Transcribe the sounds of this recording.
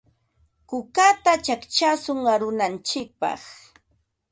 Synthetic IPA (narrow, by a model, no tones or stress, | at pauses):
kʊkat̪at͡ʃakt͡ʃasʊŋaɾʊnant͡ʃɪk̚pɑ̰χ